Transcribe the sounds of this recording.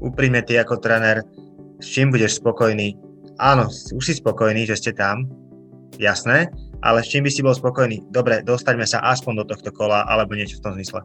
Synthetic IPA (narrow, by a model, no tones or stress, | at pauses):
ʔupɾimɲɛt̪iakɔt̪ɾɛnɛɾ | st͡ʃiːmbuɟɛʃspɔkɔjniː | ʔaːnɔsuʃsispɔkɔjniːʒɛscɛt̪am | jasnɛːʔa̰lɛst͡ʃiːmbisibɔlspɔkɔjniːd̪ɔbɾɛd̪ɔst̪aɟmɛsa̰ʔaspɔnd̪ɔt̪ɔxt̪ɔkɔlaʔa̰lɛbɔɲɪɛt͡ʃɔ̥ft̪ɔmzmislɛ